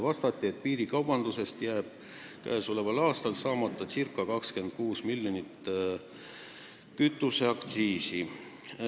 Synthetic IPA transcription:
vɑst̪ɑt̪ʲːˑie̞t̪̚piːɾikɑwb̥ɑnd̪use̞st̪jæːb̥̚ | kæ̰ːsolevɑlɑːst̪ɑlsɑːmɑt̪ːˑɑsirkːˑɑkɑkske̞nd̪̥̚kuːsmilʲjonit̪ː | kyt̪ːˑuseɑkt̪siːsi

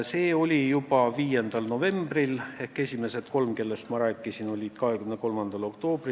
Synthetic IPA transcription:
se̞ːo̞lʲijupɑviːje̞nd̪̥ɑlno̞ve̞mbrile̞hke̞sʲime̞se̞t̪ko̞lmke̞lːe̞st̪mɑɾæːkːˑisino̞lʲid̪̥kɑhekymneko̞lmɑnd̪̥ɑlo̞kt̪o̞ːb̥ri

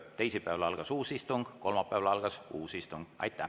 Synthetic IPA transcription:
t̪e̞jsipːˑæɑlɑlɡ̥ɑsuːsist̪uŋɡ̥ko̞lmɑpːˑæevɑlɑlɡ̥ɑsuːsist̪uŋɡ̥ɑ̰jt̪ːˑæ

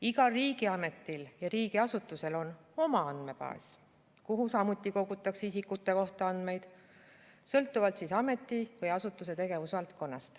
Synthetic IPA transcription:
iɡɑriːɡiɑme̞t̪ːˑiljɑɾiːɡ̥iɑsut̪ːˑuse̞lo̞no̞mɑɑnd̪̥me̞pɑ̰s | kuɦusɑmut̪ˑːiko̞ɡut̪ːˑɑksisikːut̪ːˑe̞ko̞ht̪ɑɑnd̪̥me̞jd̪̥ | sɤlt̪ˑːuvɑlt̪sisɑme̞t̪ːˑivɤjɑsut̪ːˑuse̞t̪e̞ɡ̥e̞vusvɑlt̪̚ko̞nːɑst̪

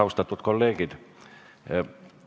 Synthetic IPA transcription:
ɑust̪ɑt̪ːuot̪kolːeːkit̪

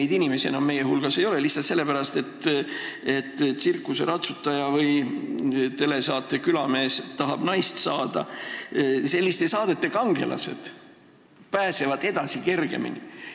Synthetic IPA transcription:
ejd̪inime̞sienɑmːe̞jeɦulɡ̥ɑse̞jo̞leliht̪sɑt̪se̞lːepæɾɑst̪e̞t̪ː | e̞t̪ːsirkːˑuse̞ɾɑt̪sut̪ːˑɑjɑvɯj | t̪e̞le̞sɑːt̪ːˑe̞kylɑme̞ːst̪ɑɦɑb̥nɑjst̪sɑːd̪̥ɑ̰ | se̞lːist̪e̞sɑːd̪et̪ːekɑŋɡ̥e̞̰lʔɑ̰se̞̰d̪̥ | pæːse̞vɑd̪e̞d̪̥ɑsike̞rɡ̥e̞̰mḭnḭ

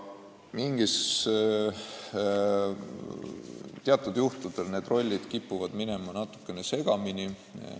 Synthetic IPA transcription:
miŋɡ̥is | t̪eɑt̪ːˑud̪̥juht̪ud̪̥lne̞ːd̪ro̞lʲːid̪̥kipːuvɑd̪̥mine̞mɑnɑt̪ːˑu̥kːˑenese̞ɡ̥ɑmini

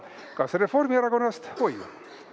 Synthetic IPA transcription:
kɑsre̞fo̞rmiæɾɑko̞nːɑst̪ho̞jṵ

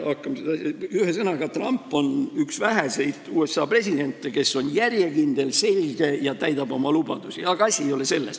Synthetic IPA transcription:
ɑkːˑɑmsed̪ɑsɑyhesɤnɑɡ̥ɑt̪rɑmpːo̞nyksvæɦese̞jd̪uːe̞sːɑːpre̞sʲid̪̥e̞nt̪ːˑeke̞sːo̞njærjekind̪e̞lse̞lʲɡ̥e̞jɑt̪æjd̪ɑb̥o̞mɑlub̥ɑd̪̥usiɑɡ̥ɑɑsʲiejo̞le̞se̞lːes

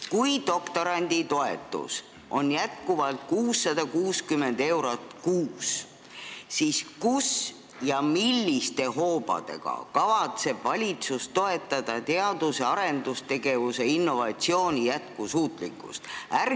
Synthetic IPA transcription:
kujd̪o̞kt̪o̞ɾɑnʲd̪̥it̪o̞e̞̰t̪ːˑṵs | ʔo̞̰njæt̪̚kuvɑlt̪̚kuːsːɑd̪̥ɑkuːskyme̞nd̪e̞wɾot̪kuːs | siskus | jɑmilʲːist̪e̞ɦo̞ːbɑ̰d̪̥e̞̰ɡ̥ɑ̰kɑvɑt̪se̞b̥vɑlʲit̪sust̪o̞e̞t̪ːˑɑd̪̥ɑt̪e̞ɑd̪̥useɑɾe̞nd̪̥ust̪e̞ɡ̥e̞vuseinːo̞vɑt̪sio̞ːnʲijæt̪̚kusuːt̪ˑlikːˑṵst̪ær

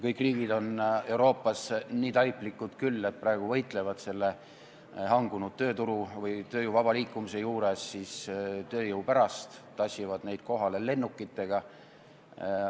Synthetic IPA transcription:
kɤjkːˑriːɡid̪o̞ne̞wɾo̞ːpːˑɑsniːt̪ɑjpːlikːˑud̪̥kylːe̞t̪̚prɑeɡ̥uvɤjt̪ˑle̞vɑd̪̥se̞lːe̞ | hɑŋɡ̥unud̪̥̚t̪ø̞ːt̪uɾuvɯjt̪ø̞ːjuwvɑb̥ɑliːkˑːumise̞juːɾesːist̪ø̞ːjɤwpæɾɑst̪t̪ːɑsivɑd̪ne̞jd̪̥̚ko̞ɦɑle̞le̞nːukːˑit̪ːˑe̞ɡ̥ɑ

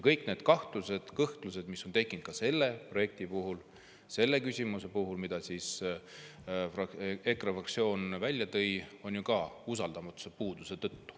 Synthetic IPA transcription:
jkɤjkne̞ːd̪̥kɑht̪luse̞d̪̥kɤht̪lus̬e̞d̪̥misːo̞nt̪e̞kːˑint̪̚kɑse̞lːe̞pro̞je̞k̚t̪ipuɦul | se̞lːe̞kysʲimuse̞puɦulmid̪̥ɑsiːs | fɑekrɑfrɑk̚t̪sio̞ːnvælʲːjɑt̪ɤ̞jo̞njukɑus̬ɑld̪ɑmɑt̪ːˑu̥sepuːd̪̥use̞t̪ɤt̪ːu̥

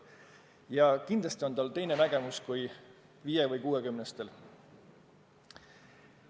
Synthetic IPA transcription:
jɑkind̪lɑst̪io̞nt̪ɑlt̪e̞jne̞næɡ̥e̞muskuj | viːjevɤjkuːe̞kymnest̪e̞l

